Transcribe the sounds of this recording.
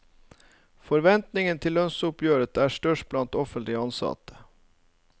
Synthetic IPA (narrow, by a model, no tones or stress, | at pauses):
fɔɾʋɛnt̪nɪŋənt̪ʰɪlːœnsʊpʰjøːɾət̪ʰæːʂʈœʂʈ̚blɑnt̪ɔfənt̪lɪəɑnsɑ̰t̪ə̥